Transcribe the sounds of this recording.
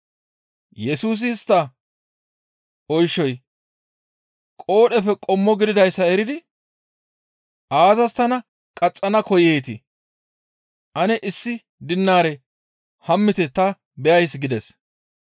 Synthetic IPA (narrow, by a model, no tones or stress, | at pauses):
jɛsuːs̬ɪːst̪ːɐ | ɔjʃːɔj | kʼo̞ːɗɛfɛkʼɔmːɔɡɪd̪ɪd̪ɐjsːɐɛɾɪd̪ɪ | ʔaːzɐst̪ɐnɐ | kʼɐt͡sʼːɐnɐkɔjeːt̪ɪ | ʔɐnɛʔɪsːɪ | d̪ɪnːaːɾɛ | hɐmːɪt̪ɛt̪ɐ | bɛjɐjsɡɪd̪ɛs